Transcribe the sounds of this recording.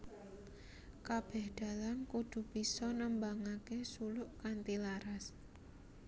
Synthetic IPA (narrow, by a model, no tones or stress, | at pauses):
kab̥ɛhd̪̥a̤lankud̪̥ṳb̥isɔnəmbaŋakesulʊʔkant̪ilaɾas